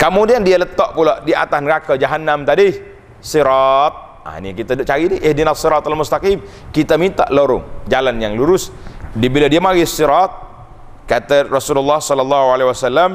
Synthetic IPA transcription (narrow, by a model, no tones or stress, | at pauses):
komudiandialət̪ɔʔpulaʔdia̰t̪anɾakad͡ʒaɦanːamt̪adih | siɾɑt̪̚ | a̰nḭkit̪adt͡ʃaɾidiʔɪhdinasiɾɑt̪almust̪akim | kit̪amint̪a̰ʔloɾʊ̰ŋd͡ʒalanjaŋluɾʊsdibiladiamaɡisiɾɑt̪̚ | kat̪arɔsululːɑhsɔlɔlːɑɦualewasalːam